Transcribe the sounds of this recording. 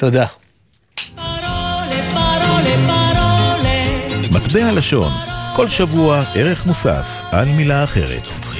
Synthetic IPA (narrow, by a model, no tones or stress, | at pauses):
t̪od̪a | mat̪behalaʃo̞̰nko̞lʃavuaʔe̞ʁe̞χmusa̰f | ʔalmilaːχe̞̰ʁe̞̰t̪